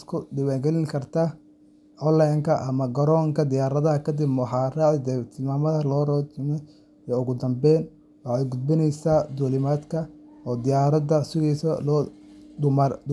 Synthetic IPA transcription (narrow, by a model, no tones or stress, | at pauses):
skʰʊd̪ɪwaːɡɛlɪŋkʰɐrt̪ʰa | ʔɔlːajŋkʰɐʔɐmɐɡɐɾɔːŋkʰɐd̪ɪjaːɾɐðɐɦɐkʰɐd̪ɪbmħɑːraːʕd̪ɛt̪ʰɪlmaːmɐðɐlɔːrɔt͡ʃɪmɛ | jɔʊɣʊd̪ɐmbɛːn | wɑħɑjɡʊd̪̚bɪnɛjsaːd̪uːlɪmaːd̪kʰɐ | ɔːd̪ɪjaːɾɐdɐsʊɣiːsɔlː